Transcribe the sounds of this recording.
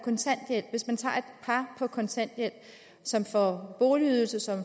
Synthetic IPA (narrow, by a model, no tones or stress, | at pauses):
kʰɒ̽nt͡sʰæn̰d̥jel̰ʋe̝smænt͡sʰɑ̰̈ːe̝d̥pʰɑ̈pʰɒ̽kʰɒ̽nt͡sʰæn̰d̥jel̰ | sɒ̽mfɒb̥o̝ːliyðˠl̩səsɒ̽m